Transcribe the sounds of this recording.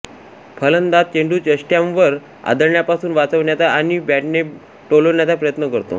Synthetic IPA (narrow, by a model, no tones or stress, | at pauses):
pʰələnd̪at̪̚t͡ɕeɳɖuːt͡ɕəɕʈjãmʋəɾ | a̰d̪əɾɳjapasuːnʋat͡səʋɳjat͡saaɽñibæʈne | ʈoloʋɳjat͡sapɾəjət̪nəkəɾt̪o̰